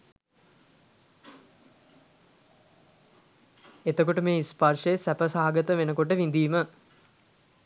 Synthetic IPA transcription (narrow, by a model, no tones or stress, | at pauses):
et̪əkoʈəmeːisparʂəjesæpəsaɦaɡət̪əʋenəkoʈəʋind̪iːmə